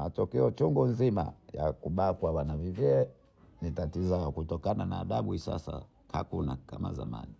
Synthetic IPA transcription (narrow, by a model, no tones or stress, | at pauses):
matɔkɛɔt͡ʃuŋɡunzima̰ja̰kuɓakwawanavivɛɛ | nitatizaɔkutɔkanana̰ːɗaɓuhisa̰sa̰ | ka̰kuna̰kama̰za̰ma̰ni